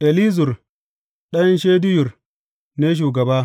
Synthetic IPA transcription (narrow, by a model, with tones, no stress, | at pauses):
ʔe˨li˦zʊ˨r | ɗɐ˦nʃeː˦dʊ˦jʊ˨r | neː˦ʃ̬uː˨ɡɐ˨baː˦